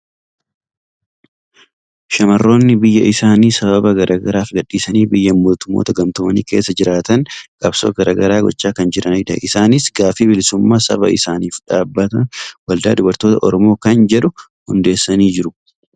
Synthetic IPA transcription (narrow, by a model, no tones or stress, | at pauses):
ʃɐmɐrːo̞ːnːɪbɪjːɐʔɪsaːniːsɐbɐbɐɡɐɾʔaːɡɐɾaːfɡɐᶑːiːsɐniːbɪjːɐmːo̞ːt̪ʊmːo̰ːt̪ɐɡɐmt̪ʊmɐnḭːke̞ːsːɐd͡ʒɪɾaːt̪ɐŋkʼɐbso̰ːɡɐɾaːɡɐɾaːɡɔ̰t͡ʃːaːkɐnd͡ʒɪɾɐnɪd̪ɐ̰ʔɪsaːnɪsɡaːfiːbɪlɪsʊmːaːsɐ̰bɐɪsaːniːfᶑaːbːɐt̪ɐwɐld̪a̰ːd̪ʊbɐɾt̪o̞ːt̪ɐʔɔɾɔmo̞ːkɐnd͡ʒɛᶑʊ | hʊnd̪e̞ːsːɐniːd͡ʒɪɾʊ